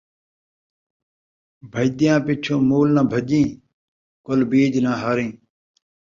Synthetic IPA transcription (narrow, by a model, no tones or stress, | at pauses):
bʱəjd̪ɪjãːpɪt͡ʃʰõːmuːlnãːbʱəʄĩː | kolbiːd͡ʒnãːɦaːɾĩː